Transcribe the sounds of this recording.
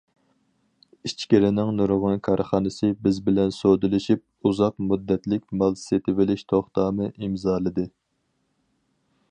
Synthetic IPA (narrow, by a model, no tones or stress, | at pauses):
it͡ʃkʲeɾɪnɪŋnuɾʊʁʊnkʰɑɾχɑːnɨsɨbɪzbɪlɛnsod̪ɨlɪʃip̚uzɑqmud̪ːɛt̪lɪkʲmɑlˠset̪ʰɪvɪlɪʃt̪ʰoχt̪ɑːmɨʔimzɑːlˠɨd̪ɨ